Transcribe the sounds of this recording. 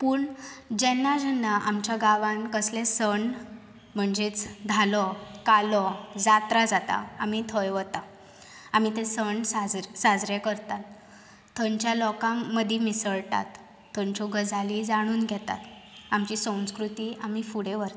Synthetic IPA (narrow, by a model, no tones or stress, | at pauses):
puːɳd͡ʑɛnːad͡ʑənːaʔamt͡ɕjaɡaʋãnkəslẽsəɳ | m̤əɳd͡zet͡sd̪ʱalɔkalɔd͡zat̪ɾad͡zat̪a̰amiːt̪ʰəjʋət̪a | amit̪esəɳsad͡zɾsad͡zɾekəɾt̪at̪ʰː | əɲt͡ɕjalɔkãːəd̪ʱimisəɭʈa̰t̪ʰː | əɲt͡ɕɔɡəd͡zalid͡zaɽ̃uːnɡʱɛt̪a̰t̪amt͡ɕiːsə̃w̃skɾut̪iːam̤iːfuɽeʋəɾ